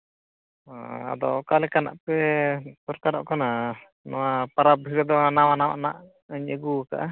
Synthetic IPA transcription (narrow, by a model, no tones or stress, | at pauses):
a̰d̪ɔ̰kalɛkana̰ʔpɛt̪ɔɾk̪aɾɔ̰ʔkɔna | nɔwapaɾab̚ʱiɾɛd̪ɔnawanawa̰ʔna̰ʔ | əɲəɡuaka̰ʔa